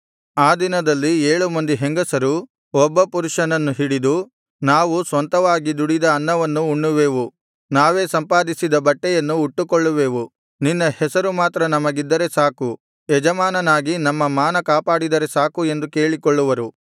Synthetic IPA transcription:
aːd̪inɐd̪ɐlːieːɭumɐnd̪iɦeŋɡɐsɐɾu | ɔbːɐpuɾuʂɐnɐnːuɦiɽid̪u | naːʋusʋɐnt̪ɐʋaːɡid̪uɽid̪ɐːnːɐʋɐnːuːɳːuʋeːʋu | naːʋe̞ːsɐmpaːd̪isid̪ɐbɐʈːɛjɐnːuːʈːukoɭːuʋeːʋu | ninːɐhɛsɐɾumaːt̪ɾɐnɐmɐɡid̪ːɐɾe̞saːku | ɛd͡ʒɐmaːnɐnaːɡinɐmːɐmaːnɐkaːpaːɽid̪ɐɾesaːkue̞nd̪uke̞ːɭikoɭːuʋɐɾu

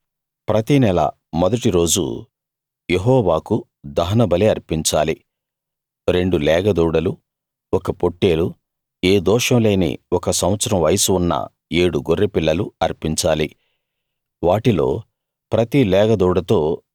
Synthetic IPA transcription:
pɾɐt̪inɛlɐ̰ | mɔd̪ɐʈiɾo̞ːd͡ʒṵ | jeɦɔːʋaːku | d̪ɐɦɐnɐbɐleɐɾpiɲt͡ʃaːli | ɾe̞ɳɖulɛːɡɐd̪uːɽɐlu | ɔkɐpo̞ʈːe̞ːlu | eːd̪ɔːʂɐmle̞ːnḭɔkɐsɐwʋɐt̪sɐɾɐmʋɐjɐsuunːɐ̰ | e̞ːɽuɡorːepilːɐluɐɾpiɲt͡ʃaːli | ʋaːʈilo̞̰ː | pɾɐt̪ilɛːɡɐd̪uːɽɐt̪o̞ː

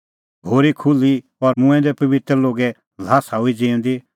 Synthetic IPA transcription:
ɡʱoːɾikʰʊli | ɔɾmʊ̃ɛ̃d̪ɛpɐbɪt̪ɾloːɡɛ | l̤aːsaːuid͡ʒĩːʊ̃d̪i

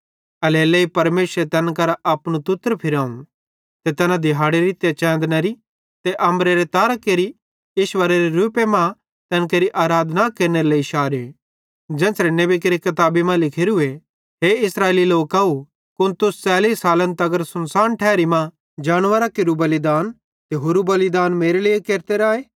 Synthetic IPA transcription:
ɐleːleipɐɾmeːsɾet̪ɐnkɐɾaʔɐpɽ̃ut̪ʊt̪ːəɾpʰɪɾãːũ | t̪et̪ɛnãd̪ɪɦaːɽeɾit̪jat͡ʃɛ̃ːnd̪naɾi | t̪eʔɐ̃mɾeɾet̪aːɾəkeːɾi | ɪʃʋəɾeɾeɾuːpemã | t̪ɐnkeːɾiʔaːɾaːd̪nakeːɾneɾeleiʃaːɾe | d͡ʒɛ̃ːsɾenebek̬eːɾikɐt̪aːbimãlɪkʰeːɾue | ɦeɪsɾaːeliloːkaːu | kʊnt̪ʊst͡sɛːliːsaːlə̃nt̪ɐɡəɾsʊnsaːnʈʰɛːɾimã | d͡ʒaːɽ̃ʋəɾakeɾubɐlɪd̪aːn | t̪eɦoɾubɐlɪd̪aːnmeːɾeliekeːɾt̪eɾaːeː

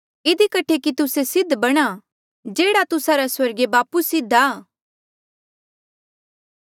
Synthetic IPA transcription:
ɪd̪ikɐʈʰekit̪ʊsesɪd̪ʱbɐɽ̃a | d͡ʒeːɽat̪ʊsaɾaswɐɾɡebaːpusɪd̪ʱaː

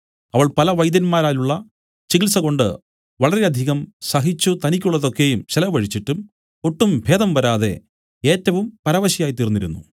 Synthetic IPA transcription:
ɐʋɐɭpɐlɐʋɐjd̪ɐnmaːɾaːluɭːɐ | t͡ɕiɣilsɐɣo̞ɳɖɨ̰ | ʋɐɭɐɾe̞ɐd̪ʱiɣɐmsɐɦit͡ɕːut̪ɐnikʲːuɭːɐðo̞kːe̞jumɕelɐʋɐɻit͡ɕːiʈːum | o̞ʈːumbʱe̞ːd̪ɐmʋɐɾaːðe̞̰ | eːtːɐʋumpɐɾɐʋɐɕijaːjit̪iːrnːiɾṵnːṵ

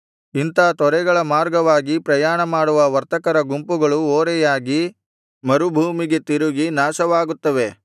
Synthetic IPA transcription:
int̪aːt̪ɔɾɛɡɐɭɐmaːɾɡɐʋaːɡipɾɐjaːɳɐmaːɽuʋɐʋɐɾt̪ɐkɐɾɐɡumpuɡɐɭuoːɾɛjaːɡi | mɐɾubʱuːmiɡe̞t̪iɾuɡinaːʃɐʋaːɡut̪ːɐʋe̞

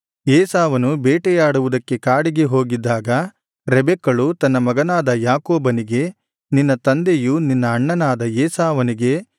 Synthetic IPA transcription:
eːsaːʋɐnubeːʈɛjaːɽuʋud̪ɐkːe̞kaːɽiɡe̞ɦo̞ːɡid̪ːaːɡɐ | ɾɛbɛkːɐɭut̪ɐnːɐmɐɡɐnaːd̪ɐjaːkoːbɐniɡe̞ | ninːɐt̪ɐnd̪ejuninːɐːɳːɐnaːd̪ɐeːsaːʋɐniɡe̞

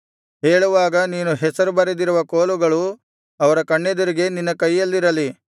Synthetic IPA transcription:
ɦeːɭuʋaːɡɐniːnuɦɛsɐɾubɐɾed̪iɾuʋɐkoːluɡɐɭu | ɐʋɐɾɐkɐɳːed̪ɐɾiɡe̞ninːɐkɐjːɐlːiɾɐli

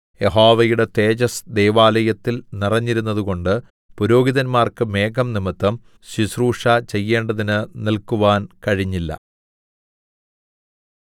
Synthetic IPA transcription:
je̞ɦoːʋɐjuɽe̞t̪e̞ːt͡ɕɐsd̪e̞jʋaːlɐjɐt̪ːilnirɐɲːiɾunːɐðuɣo̞ɳɖɨ | puɾo̞ːɡiðɐnmaːrkɨme̞ːɡɐmnimɨt̪ːɐm | ɕisruːʂat͡ɕejːe̞ːɳɖɐðinɨnilkuʋaːnkɐɻiɲːilːɐ̰

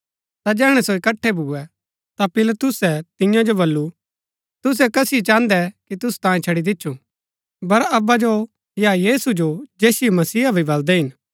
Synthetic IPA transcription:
t̪ad͡ʒɛːɦɽ̃ɛsoɪkɐʈʰːɛbʱuɛ | t̪apɪlt̪ʊsɛt̪ɪjãd͡ʒobɐlːu | t̪ʊs̬ɛkɐsɪit͡ʃãːnd̪ɛkit̪ʊst̪ãːĩt͡ʃʰɐɽid̪ɪtːʃʰũ | bɐɾɐbad͡ʒo | jajiːsud͡ʒod͡ʒeːsimɐsiːabʱibɐld̪ɛɦɪn

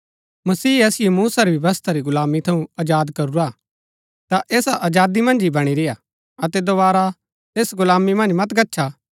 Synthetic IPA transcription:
mɐsiːɐsɪjomuːsaɾibjɐʋəst̪ʰaɾiɡʊlaːmit̪ʰɐũɐd͡ʒaːd̪kɐɾuɾa | t̪aʔeːsaʔɐd͡ʒaːd̪imɐ̃nd͡ʒibɐɽ̃iɾɪja | ɐt̪ɛd̪oβaːɾa | t̪eːsɡʊlaːmimɐ̃nd͡ʒmɐt̪ɡɐtːʃʰa

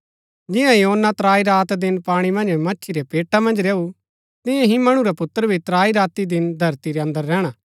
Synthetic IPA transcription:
d͡ʒɪ̃jãjɦoːnːat̪ɾaːiɾaːt̪d̪ɪnpaːɽ̃imɐ̃nd͡ʒmɐtːʃʰiɾepeːʈʰːamɐ̃nd͡ʒɾeːu | t̪ɪ̃jẽɦĩmɐɽ̃uɾapʊt̪ːəɾəbʱit̪ɾaːiɾaːt̪id̪ɪnd̪ʱɐɾt̪iɾeɐ̃nd̪əɾːɛːɽ̃a

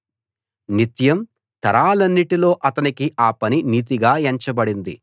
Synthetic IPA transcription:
nit̪jɐm | t̪ɐɾaːlɐnːiʈilo̞ːʔɐt̪ɐnikiʔaːpɐniniːt̪̬iɡaːeɲt͡ʃɐbɐɽind̪ḭ

